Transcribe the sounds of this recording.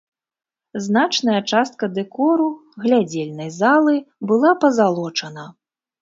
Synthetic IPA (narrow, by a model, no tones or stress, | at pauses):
znat͡ʂnɐjɐt͡ʂast̪̚kɐd̪ɛkɔɾuɣlʲad͡zʲelʲnɐjzalˠɨbɨlˠapɐzalˠɔt͡ʂɐnɐ